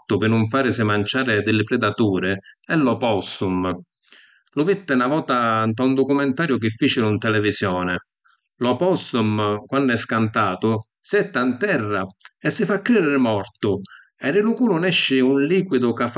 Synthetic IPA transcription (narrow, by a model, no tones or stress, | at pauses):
t̪ʊpɪnːʊɱfaːɾɪsɪmant͡ʃaːɾɪd̪ɪlːɪpɾɛd̪at̪uːɾɪɛlːɔpɔsum | lʊvit̪ːɪnavɔːt̪ant̪aund̪ɔkumɛnt̪aːɾjʊk̟ɪfːiːt͡ʃɪlunt̪ɛlɛvisjɔːnɪ | lɔpɔsumkwanːɛskant̪aːt̪ʊ | siɛt̪ːant̪ɛrːaɛsːɪfakːɾiɾɪɾɪmɔrt̪ʊ | ɛrɪlukuːlʊnɛʃːɪunliːkwid̪ʊkaf